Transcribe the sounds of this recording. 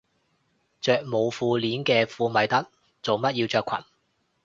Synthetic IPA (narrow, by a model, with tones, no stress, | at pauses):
t͡ʃœː˨k̚mo˨˧wfuː˧liː˨˥nkɛː˧fuː˨˧mɐ˨˥jt̪ɐ˥k̚ | t͡so˨wmɐ˥t̚jiː˧wt͡ʃœː˧kʷʰɐ̰˨˩n